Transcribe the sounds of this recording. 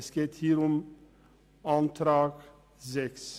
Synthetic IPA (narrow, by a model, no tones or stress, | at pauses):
skeːt̪hiːɾɔm | ɑnt̪ʰɾɑːɡ̥ | sɛks